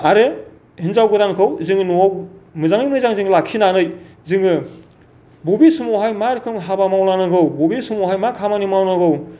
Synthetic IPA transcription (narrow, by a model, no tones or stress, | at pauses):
aɾe | hinzawɡɯdankʰɯwzɯŋnuwmɯzaŋijmɯjzaŋzɯŋlakʰinanɯj | zɯŋɯ | bubisumowɦajmaɾkʰɯŋɦabamawnanɯɡɯwbobisumɔwɦajmakʰamanimawnɯɡɯw